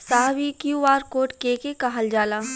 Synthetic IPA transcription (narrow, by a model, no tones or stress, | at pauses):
saːʋikjuaːɾkoːʈkeːkekaɦəld͡ʒaːlaː